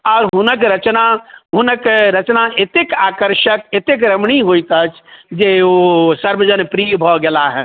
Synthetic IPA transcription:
ɔːɾɦʊnəkɾət͡ʃnaɦʊnəkɾət͡ʃnaɪt̪ɪkaːkəɾʃək̚et̪ɪk̬ɾəmɽ̃iɦoit̪ət͡ʃʰd͡ʒeosəɾbəd͡ʒənpɾiːbʱɔɡɛlaɦɛː

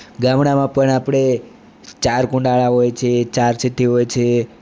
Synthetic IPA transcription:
ɡamɳamãpəɳapɽ̃e | t͡ʃaɾkũɳɖaɭaɦojt͡ʃʰet͡ʃaɾsiʈ̪iɦojt͡ʃʰe

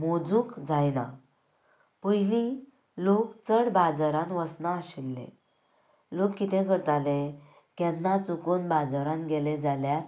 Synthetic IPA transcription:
mod͡zũːkd͡zajna̰ | pujli | lokt͡səɽbad͡zəɾãnʋəsnaːɕilːḛ | lokːit̪ʰekəɾt̪ale | kjanːat͡sukonbad͡zaɾãnɡɛled͡zalja

